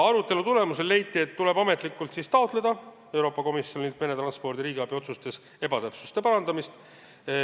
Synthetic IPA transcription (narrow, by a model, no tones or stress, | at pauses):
ɑɾut̪ːˑe̞lut̪ulemuse̞lːe̞jt̪ːˑie̞t̪ːule̞bɑme̞t̪ˑlikːˑult̪sist̪ɑot̪ˑle̞d̪̥ɑ | e̞wɾo̞ːpːˑɑko̞misjo̞nilt̪menet̪ɾrɑnspo̞rd̪iɾiːɡiɑb̥io̞t̪sust̪e̞s | e̞bɑt̪æpsu̥st̪e̞pɑɾɑnd̪ɑmist̪